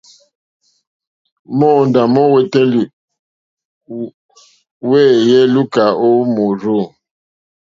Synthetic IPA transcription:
mɔ˦˨nda˨mɔ˦wɛ˦tɛ̃˦li˨ | wɛ˦˨jɛ˦lu˦ka˨o˦mo˨ɾo˦˨

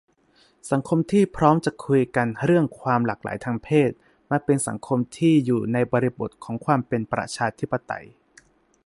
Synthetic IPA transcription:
sa˩˦ŋkʰo˧mt̪ʰiː˥˩pʰɾɔː˦˥mt͡ɕa˨˩kʰu˧jka˧nɾɯ˥˩əŋkʰwaː˧mlaː˨˩k̚la̰ː˩˦jt̪ʰaː˧ŋpʰeː˥˩t̪̚ | maː˧pe˧nsa̰˩˦ŋkʰo˧mt̪ʰiː˥˩juː˨˩na˧jbɔː˧ɾi˧bo˨˩t̪̚kʰɔː˩˦ŋkʰwaː˧mpe˧npɾa̰˧t͡ɕʰaː˧t̪ʰi˦˥pːa˧t̪a̰˧j

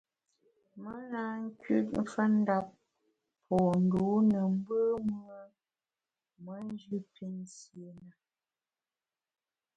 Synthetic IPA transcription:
mə˦na˨˦ŋ̩˦kɥʉ˦t̚m̩˦fə˦n̩˦da˦p̚ | pʰɔ˨n̩˨doo˨˦nə˨m̩˦bə˦m˦ə˦ | mə˦n˦d͡ʒʉ˦pʰi˦nsje˨na˨

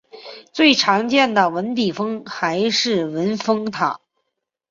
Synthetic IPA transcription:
t͡swe˥˩ɪʈ͡ʂʰɑ˧˥ŋt͡ɕjɛ˥˩nd̪ə˩wə˧˥np̪i˨˩fɤ˥ŋxa˧˥ɪʂɻ̩˥˩wə˧˥nfɤ˥ŋt̪ʰɑ˨˩˦

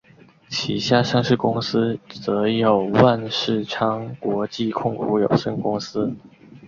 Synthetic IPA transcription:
t͡ɕʰi˧˥ɕja˥˧ʂɑ˥˧ŋʂɻ̩˥˩kʊ˥ŋsɹ̩˥t͡sɤ˧˥jo˨˩ʊwa˥˧nʂɻ̩˥˩ʈ͡ʂʰɑ˥ŋkwɔ˧˥t͡ɕi˥˧kʰʊ˥˩ŋkṵ˧˥jo˨˩ʊʂə˥nkʊ˥ŋsɹ̩˥

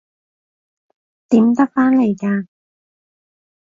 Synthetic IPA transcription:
t̪iː˨˥mt̪ɐ˥k̚faː˥nle˨˩jkaː˧

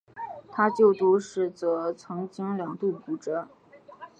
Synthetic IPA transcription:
t̪ʰa˥t͡ɕjo˥˩ʊt̪u˥˧ʂɻ̩˥˩t͡sɤ˧˥t͡sʰɤ˧˥ŋt͡ɕi˥ŋljɑ˨˩ŋt̪u˥˩pu˧˥ʈ͡ʂə˧˥

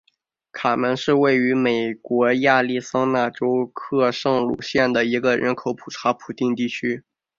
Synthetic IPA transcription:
kʰa˨˩mə˧˥nʂɻ̩˥˧we˥˩ɪy˧˥me˨˩ɪkwɔ˧˥ja˥˧li˥˩sɑ˥ŋna˥˩ʈ͡ʂo˥ʊkʰɤ˥˧ʂɤ˥˩ŋlṵ˨˩ɕjɛ˥˩nd̪ə˩i˧˥ɡə˧ɻʔə̰˧˥nkʰo˧˥ʊpʰu̥˨˩ʈ͡ʂʰa˧˥pʰu˨˩t̪i˥˧nt̪i˥˩t͡ɕʰy˥

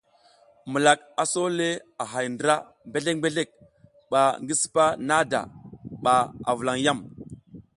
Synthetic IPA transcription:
mə˨la˨k̚ | a˨so˦le˦a˨ɦa˨jndɾa˦ | mbe˦ɮe˦k̚mbe˦ɮe˦˨k̚ | ɓa˨ŋɡi˦si̥˨pa˦na˦da̰˨ɓa˨a̰˨və˨la˨ŋja˦˨m

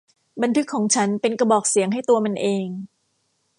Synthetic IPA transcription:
ba˧nt̪ʰɯ˦˥kʰːɔː˩˦ŋt͡ɕʰa˦˥npe˧nka˧bɔː˨˩k̚si˨˩˦əŋɦa˥˩jt̪u˧ɐma˧nʔeː˧ŋ

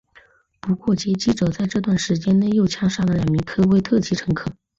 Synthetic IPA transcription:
pu˧˥kwɔ˥˩t͡ɕjɛ˧˥t͡ɕi˥ʈ͡ʂɤ˨˩t͡sa˥˧ɪʈ͡ʂɤ˥˧t̪wa˥˩nʂɻ̩˧˥t͡ɕjɛ˥nne˥˧ɪjo˥˩ʊt͡ɕʰjɑ˥ŋʂɑ˥˩ŋd̪ə˩ljɑ˨˩ŋmi˧˥ŋkʰɤ˥we˥˧ɪt̪ʰɤ˥˩t͡ɕʰi˧˥ʈ͡ʂʰɤ˧˥ŋkʰɤ˨˩˦

